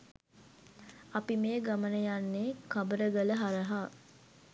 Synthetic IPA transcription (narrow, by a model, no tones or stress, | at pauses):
apimeːɡamənəjanːeːkabəɾəɡələɦaɾəɦa